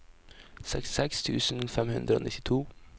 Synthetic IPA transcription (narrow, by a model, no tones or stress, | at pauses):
sɛ̰kst̪ɪsɛkst̪ʰʉːsnfɛmhʉ̰nd̪ɾəo̰ːnɪt̪ːɪt̪ʰuː